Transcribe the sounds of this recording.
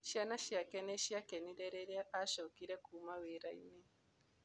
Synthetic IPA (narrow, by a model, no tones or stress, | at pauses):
ʃianaʃiakɛnɛʃiakenidɛɾɛɾeʔaʃokiɾɛkumaweɾaini